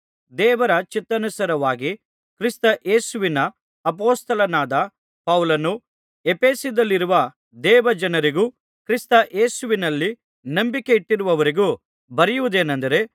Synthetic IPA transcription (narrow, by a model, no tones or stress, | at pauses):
d̪ɛːʋɐɾɐt͡ʃit̪ːɐnusɐɾɐʋaːɡi | kɾist̪ɐʔe̞ːsuʋinɐ | ɐp̬oːst̪ɐlɐnaːd̪ɐ | pɐwlɐnu | epe̞ːsid̪ɐlːiɾuʋɐ | d̪ɛːʋɐd͡ʒɐnɐɾiɡuː | kɾist̪ɐʔe̞ːsuʋinɐlːi | nɐmbike̞iʈːiɾuʋɐʋɐɾiɡu | bɐɾijuʋud̪eːnɐnd̪ɐɾe̞